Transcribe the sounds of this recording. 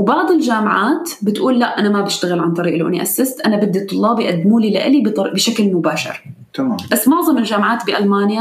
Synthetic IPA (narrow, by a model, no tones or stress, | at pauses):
wbɑʕd̪ˤɪlʒaːmʕaːt̪ | bɪt̪ʔuːlːaʔʔanamabɪʃt̪aɣɪlʕant̪ˤɑɾiːʔlawʔɪniʔasːast̪ʔanabɪd̪ːit̪ˤːʊlːɑːbijʔad̪ːmuːlila̰ʔɪlib̪bɪʃaklmʊbaːʃɪ̰ɾ | t̪ːbasːmʊʕzˤɑmɪlʒaːmʕaːt̪bɪʔalmaːnja